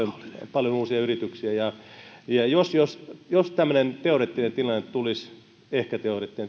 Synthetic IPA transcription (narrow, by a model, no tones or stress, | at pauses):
onpɑljonuːsiɑyrit̪yksiæjɑjɑjosjosjost̪æmːø̆nent̪eoret̪ːinent̪ilɑnːet̪t̪ulis | ehkæt̪eoret̪ːinen